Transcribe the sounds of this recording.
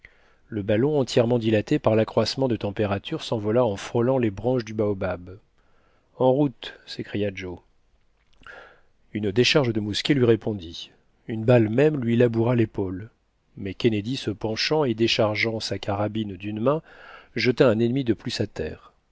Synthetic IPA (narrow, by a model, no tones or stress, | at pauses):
ləbalɔ̃ɑ̃t̪jɛʁmɑ̃d̪ilat̪epaʁlakχwasmɑ̃d̪ət̪ɑ̃peʁat̪ʰyʁsɑ̃vɔlaɑ̃fχɔlɑ̃lebʁɑ̃ʃd̪ybaobab | ɑ̃ʁut̪sekχijad͡ʒo | ynd̪eʃaʁʒəd̪əmuskʲelɥiʁepʰɔ̃d̪i | ynbalmɛmlɥilabuʁalepol | mɛkʲened̪isəpɑ̃ʃɑ̃ed̪eʃaʁʒɑ̃sakaʁabind̪ynmɛ̃ʒət̪aɛ̃nɛnmid̪əplysat̪ɛ̰ːʁ